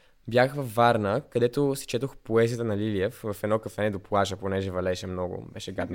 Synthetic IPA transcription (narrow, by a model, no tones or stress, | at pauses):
bjaxvɐfːaɾnəkɐd̪ɛt̪osi̥t͡ʃɛt̪oxpoɛzijət̪ənɐliliɛfvɐfɛd̪nɔkəfɛnɛd̪oplˠaʒəponɛʒɛvɐlɛʃɛmnɔɡʊ̰bɛʃɛɡad̪n